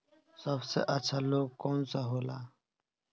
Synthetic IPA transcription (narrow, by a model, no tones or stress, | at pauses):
sɐbsḛʔɐt͡ʃʰaloːɡ̚koːnsaɦoːlaː